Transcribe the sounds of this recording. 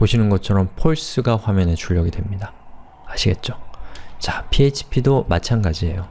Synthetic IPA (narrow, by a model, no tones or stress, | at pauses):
poɕʰinɯnɡʌt͡ɕʰʌɾʌmpʰoɭs͈ɯɡaɸwamjʌnet͡ɕuʎːʌɡidwe̞mɲida | aɕʰiɡe̞t̚t͡ɕ͈ot͡ɕapʰiet͡ɕʰi̥pʰidomat͡ɕʰanɡad͡ʑie̞jo